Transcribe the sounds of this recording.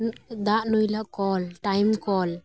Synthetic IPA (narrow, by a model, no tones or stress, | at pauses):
d̪aʔnujlaʔkɔlʈajmkɔl